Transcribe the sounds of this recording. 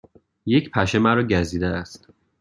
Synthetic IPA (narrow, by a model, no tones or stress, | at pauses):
jecʰpʰæʃemæɾɒːɟæziːd̪eæst̪